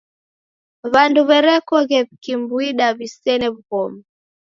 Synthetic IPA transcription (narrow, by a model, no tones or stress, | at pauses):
βanduβɛɾɛkɔɣɛβikimbwiɗaβisɛnɛβuɣɔma